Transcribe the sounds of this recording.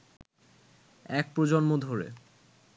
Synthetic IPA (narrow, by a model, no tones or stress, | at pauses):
ɛk̚pɾod͡ʑonmod̪ʱoɾḛ